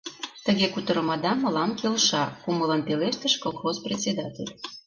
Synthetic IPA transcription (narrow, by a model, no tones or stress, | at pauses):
t̪əɣekut̪əɾə̆mɑd̪ɑmə̆lɑmkelʃɑkumələnpeleʃt̪əʃkolˠxozprʲet̪ʲt͡sʲed̪ɑt̪ʲḛlʲ